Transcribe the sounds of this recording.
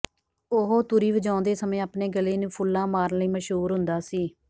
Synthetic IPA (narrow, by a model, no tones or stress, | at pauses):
ʊɦoːt̪ʊɾiːʋəd͡ʒãːnd̪eːsəmẽːaːpneːɡəleːnũːpʰʊlːãːmaːɾnləiːməʃɦuːɾɦʊnd̪aːsiː